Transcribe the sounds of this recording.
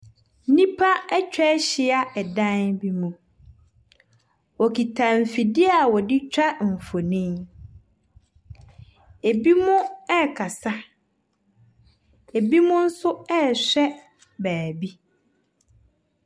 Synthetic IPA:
nĩ˦pʰa˦ɛ˦t͡ɕᶣɛ˦ɕɪ˨a˦ɛ˨dã˦nbi˦mũ˨ | wɔ˨ki˨tʰã˨m̩˨fi˨dɪ˦a˨wɔ˨dɪ˦t͡ɕᶣa˦m̩˨fo˨nĩ˦m | e˨bi˦mʊ̃˦ɛ˦˨kʰa˨sa˦ | e˨bi˦mʊ̃˦n̩˦sʊ˦ɛ˦˨ɕᶣɛ˦ | bæː˨bi˦

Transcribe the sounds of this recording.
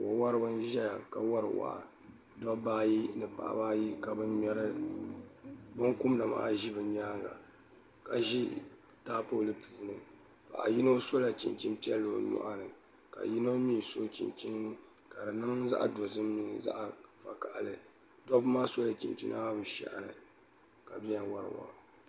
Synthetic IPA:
wo˨wa˦ɾɨ˦bɨ˦n˦ʒɛ˦ja˨ka˨wa˦ɾɨ̰˨wa̰˨ʔa̰˨ | dɔ˦baː˦ji˦nɨ˨pa̰˨ʔa̰˨baː˦ji˦ka˨bɨ˦ɲɛ˦ɾɨ˦ | bo˦ŋkʊ˦mla˨ma̰˦ʔʒi˦bɨ˨ɲaː˦ŋla̰˨ | ka˨ʒi˦ | taː˦po˦˨lɨ˦puː˨nɨ˨ | pa̰˨ʔa̰˨ji˦no˦so˦la˨t͡ʃḭ˨nt͡ʃi˦mpi˦ɛ˦lːo˨nɔ̰˨ʔa˦nɨ˨ | ka̰˨ji˦no˦miː˦so˦t͡ʃḭ˨nt͡ʃi˦n˦ | ka˨dɨ˨nɨ˦ŋza̰˦ʔa̰˨do˨zɨ˦mni˦za̰˦ʔva˨ka˨ʔlɨ˨ | dɔ˦bmaː˦so˦la˨t͡ʃḭ˨nt͡ʃḭ˦na̰˦a˦bɨ˨ʃɛ̰˨ʔa˨nɨ˨ | ka˨bɛ˦nwa˦ɾɨ̰˨wa̰˨

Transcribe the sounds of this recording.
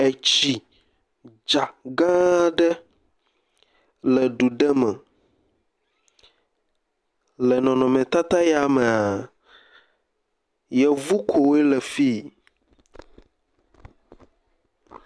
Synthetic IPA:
e˨t͡ɕi˨ | d͡ʒa˨ɡã˦ɖɛ˦ | lɛ˨ɖu˨ɖɛ˦mɛ˨ | lɛ˨nɔ̃˨nɔ̃˨mɛ̃˨t̪a˦t̪a˦ja˨mɛ˨a˨ | jɛ˨vu˦kʰo˨we˦lɛ˨fi˦

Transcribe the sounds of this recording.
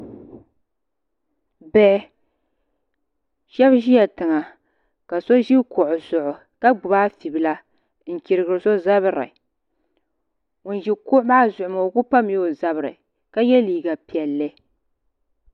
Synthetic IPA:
bɛ˦ | ʃɛ˦bʒi˦ja˨tɨ˨ŋa˨ | ka˨so˦ʒi˦kʊ˨ʔʊ˨zʊ˨ʔʊ˨ | ka˦ɡ͡bʊ˨ba˦fi˨bɨ˨la˦ | n̩˨ki˨ɾɨ˨ɡɨ˨ɾɨ˨so˦za˦βɨ˦ɾɨ̰˨ | ŋʊ˨nʒi˦kʊ˦ʔma˦zʊ˨ʔʊ˨ma˨o˨kʊ˦pa˦m˦o˦za˨bɨ˨ɾɨ̰˨ | ka˦jɛ˦liː˨ɡa˨pi˨ɛ˨lːɨ˦

